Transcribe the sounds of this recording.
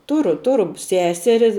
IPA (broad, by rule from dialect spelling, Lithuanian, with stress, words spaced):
ˈtʊrʊ ˈtʊrʊ ˈsʲæːsʲɛrʲɪ